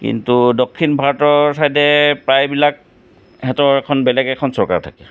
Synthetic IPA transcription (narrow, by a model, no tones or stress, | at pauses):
kḭntudokʰːinbʱaɹɔtɔɹsajdɛpɹajbilak̚ | hɛtɔɹɛkʰɔnbɛlɛɡɛkʰɔnsɔɹka̰ɹtʰakɛ